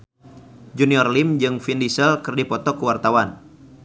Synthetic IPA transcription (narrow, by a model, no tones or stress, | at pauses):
d͡ʒuniɔrlimd͡ʒɨŋfindisəlkɨrdipɔt̪ɔkəwart̪awan